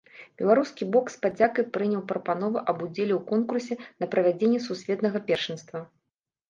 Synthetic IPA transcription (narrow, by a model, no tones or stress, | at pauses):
bʲɛlˠaɾuskʲibɔkspad͡zʲakɐjpɾɨnʲɛwpɾɐpanɔvɨʔɐbud͡zʲelʲɛwkɔnkursʲɛnɐpɾɐvʲad͡zʲenʲːɛsusʲvʲɛt̪nɐɣɐpʲɛrʂɨnst̪vɐ